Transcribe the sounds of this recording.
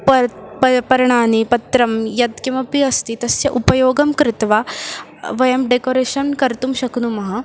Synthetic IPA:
pɐpɐpɐɾɳ̃aːnipɐt̪ɾɐmjɐd̪kĩw̃ʋɐpiɐst̪it̪ɐsjɐʔupɐjoːɡɐmkɾɪt̪ʋa | ʋɐjɐmɖekoːɾeːʃɐnkɐɾt̪umʃɐknumɐɦɐ

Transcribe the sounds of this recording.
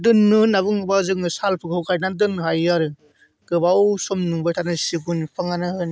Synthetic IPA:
dɯnːɯnaβɯŋɯbazɯŋɯsalpʰɯkɔwkajnandɯnɦajaɾɯ | ɡ̥ɯbawsɔmnuŋbɯjtʰanɯsiɡunpʰaŋanɯhɯn

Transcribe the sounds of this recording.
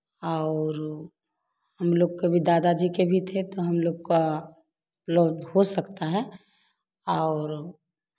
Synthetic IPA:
aʊɾ | həmloːɡkebʱid̪aːd̪ad͡ʒikebʱit̪ʰet̪oɦɐmloːɡka | lɔɖɦosəkt̪aɦɛ | ɔːɾ

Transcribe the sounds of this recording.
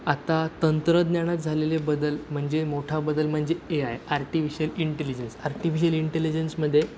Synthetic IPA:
at̪at̪ənt̪ɾəd̪njaɽ̃at̪̚d͡zʱalelebəd̪əlm̤əɳd͡ʑemoʈʰabəd̪əlm̤əɳd͡zeeaɦeaɾʈifiɕəliɳʈelid͡ʑənsaɾʈifiɕəliɳʈelid͡ʑensməd̪ʱːje

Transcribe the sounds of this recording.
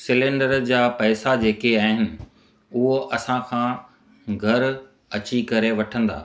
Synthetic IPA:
sɪlẽːɳɖəɾd͡ʑaːpɐːsad͡ʑeːkeaːɦɪnɪ̆ | ʊɦoʔɐsãkʰãː | ɡʱɐɾ | ɐt͡ɕikɐɾeʋɐʈʰə̃nd̪a̰ː

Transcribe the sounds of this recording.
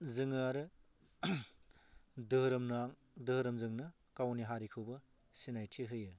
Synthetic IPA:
zɯŋɯaɾɯ | dɯɾɯmnaŋ | dɯhɯɾɯmzɯŋnɯ | kawniɦaɾikʰɯbɯ | sinajtʰiɦɯjɯ

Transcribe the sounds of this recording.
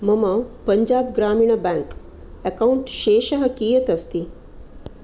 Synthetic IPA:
mɐmɐpɐɲd͡ʑaːb̚ɡɾaːmiːɳ̃ɐbɛ̃ŋk | ekauɳʈʃeːʃɐɦɐkiːjɐt̪ɐst̪i

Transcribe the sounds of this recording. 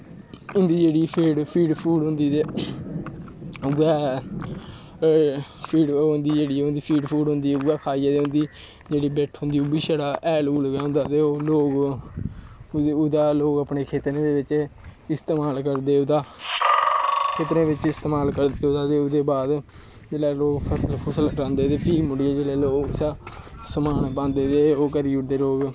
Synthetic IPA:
ʊnd̪iːd͡ʒeːɽiːpʰiːɖpʰiːɖpʰuːɖɦʊ̃nd̪iːt̪eː | ʊɡɛː | pʰiːɖnd̪iːd͡ʒeːɽiːʊ̃nd̪iːpʰiːɖpʰuːɽʊnd̪iːɡɛːkʰaːijaːt̪eːɦʊ̃nd̪iː | d͡ʒeːɽiːbɛːʈʰɦõnd̪iːʊbiːʃaːɽaːʔɛːluːlɡaːʊ̃nd̪aːt̪eːoːloːɡ | ʊd̪aːloːɡəpɳeːkʰeːt̪ɾẽːd̪eːʋɪt͡ʃɪst̪eːmaːlkəɾd̪eːʊd̪aː | kʰeːt̪ɾẽːʋɪt͡ʃɪst̪eːmaːlkəɾd̪eːʊd̪aːt̪eːʊd̪eːbaːd̪ | d͡ʒeːlaːloːɡpʰəsəlpʰəsəlɾãːnd̪eːt̪eːpʰiːlmʊɽieːd͡ʒeːleːloːɡsasəmaːnpãːnd̪eːt̪eːoːkəɾiːʊɽd̪eːloːɡ

